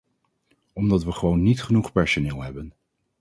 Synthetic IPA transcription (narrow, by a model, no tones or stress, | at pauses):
ɔmdɑtʋəχəʋownːitχənuχpɛɹsonɪːlˠɦɛbən